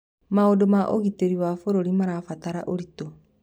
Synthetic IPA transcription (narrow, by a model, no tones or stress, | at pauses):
maodomaʔo̰ɣiteɾiwafoɾoɾimaɾafataɾaʔoɾito